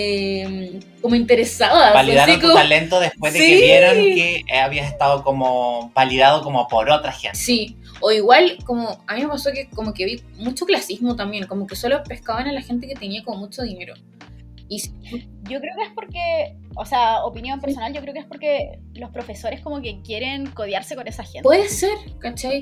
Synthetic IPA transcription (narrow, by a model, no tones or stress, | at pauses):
em | komoint̪e̞ɾesaðabaliðaɾikot̪alent̪oðespwezðesieβjeɾonkeaβiasest̪aðokomobaliðaðokomopoɾot̪ɾaxensi | oiɣwalkomoamime̞pasokekomo̞keβimut͡ʃoklasizmot̪ambje̞ŋko̞moke̞so̞lope̞hkaoenalaxe̞nt̪̬e̞ket̪e̞niakomo̞mut͡ʃo̞ðine̞ɾo | isi | ɟ͡ʝokɾeokeespoɾke | oseaopinjompeɾsonalʝokɾeokespoɾke | lo̞spɾofesoɾeskomokekje̞ɾeŋkoðjaɾsekonesaxenpweðeseɾkat͡ʃaj